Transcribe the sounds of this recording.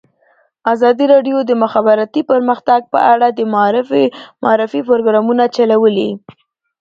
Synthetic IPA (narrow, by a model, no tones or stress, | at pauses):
azɑd̪iɾɑɖjod̪əmʊxabɪɾat̪ipəɾməxt̪aɡ̚pə̰ʔaɽad̪əmɾfmɑɾɪfipoɾoɡɾɑmunat͡ʃalawəli